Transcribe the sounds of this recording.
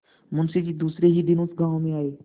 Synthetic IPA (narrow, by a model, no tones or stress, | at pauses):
mʊnsed͡ʑiːd̪uːsɾeɦiːd̪ɪnõːsɡãːʋõmẽaːeː